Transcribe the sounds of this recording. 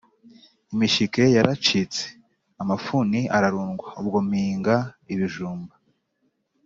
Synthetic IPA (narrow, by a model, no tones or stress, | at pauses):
imiʃike̞jaɾat͡ʃit͡se̥ | amafuniʔaɾaɾuːŋɡwaubɡo̞miːŋɡaiβiʒuːmba